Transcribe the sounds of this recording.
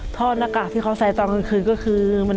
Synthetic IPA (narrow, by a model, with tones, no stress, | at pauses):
t̪ʰɔː˧˥˩naː˧˩kaː˨˩t̪̚ʰiː˥˩kʰa˦˥wsa˨˩˦jt̪ɔː˧ŋɯ˧nkʰɯː˧nkɔː˥˩kʰɯː˧ma˧n